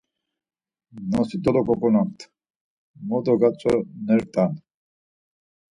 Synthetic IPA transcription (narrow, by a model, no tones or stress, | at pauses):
nɔsid̪ɔlɔkʼɔkʼɔnamt̪ʰ | mɔd̪ɔɡat͡sʰʼɔnɛɾt̪ʼan